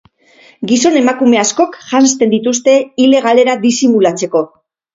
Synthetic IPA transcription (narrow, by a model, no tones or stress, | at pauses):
ɡiso̞ne̞makume̞asko̞kʝanst̪e̞nd̪it̪ust̪e̞ile̞ɣale̞ɾad̪isimulat͡se̞ko̞